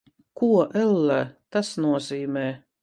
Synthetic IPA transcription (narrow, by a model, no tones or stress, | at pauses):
kuɔʔɛlːæt̪asnuɔziːmɛː